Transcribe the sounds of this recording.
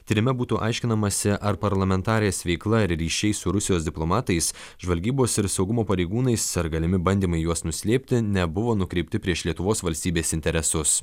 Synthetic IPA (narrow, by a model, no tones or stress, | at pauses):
t̪ʲiːɾʲɪmʲɛbuːt̪uːʔɑɪʃʲkʲɪnɐmɐsʲɪʔɐɾpɐɾlˠɐmʲɛnt̪ɑːɾʲɪjeːsʋʲɛɪklˠɐɪɾɾʲiːʃʲɛɪsʊɾʊsʲɪjoːsd̪ʲɪplˠoːmɑːt̪ɐɪs | ʒʋɐlʲɡʲiːboːsɪɾsɒʊɡʊmoːpɐɾʲeɪɡuːnɐɪsɐɾɡɐlʲɪmʲɪbɐnʲd̪ʲiːmɐɪjuɔsnʊsʲlʲeːpʲt̪ʲɪnʲɛbʊʋoːnʊkɾʲɛɪpʲt̪ʲɪpʲɾʲiɛʃlʲiɛt̪ʊʋoːsʋɐlʲsʲt̪ʲiːbʲeːsɪnʲt̪ʲɛɾʲɛsʊs